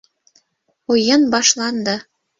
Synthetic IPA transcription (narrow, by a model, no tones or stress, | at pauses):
ojɤnbɑʃlɑnd̪ɑ